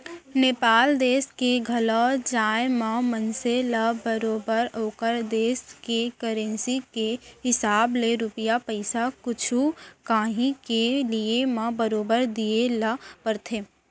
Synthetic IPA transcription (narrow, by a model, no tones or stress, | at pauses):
neːpaːld̪eːskeɡʱɐlɔd͡ʒaːjmãmənselabəɾoːbəɾoːkəɾd̪eːskekəɾẽnsikeɦɪsaːbleɾʊpijapəɪsakʊt͡ʃʰukaːɦĩkeliemãbəɾoːbəɾd̪ielapəɾt̪ʰeː